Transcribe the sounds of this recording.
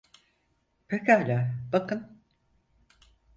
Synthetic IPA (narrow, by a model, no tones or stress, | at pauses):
pakaːlʲaːbakɯn